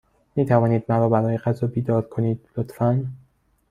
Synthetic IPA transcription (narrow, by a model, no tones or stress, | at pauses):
miːt̪ʰævɒːniːd̪mæɾɒːbæɾɒːjeɣæzɒːbiːd̪ɒːɾkʰo̞niːd̪̥lot̪fæn